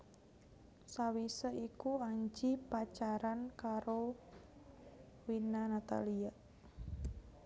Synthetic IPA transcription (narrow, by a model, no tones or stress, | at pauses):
sawisəikuaɲd͡ʒipat͡ʃaɾankaɾo | winanat̪a̰lia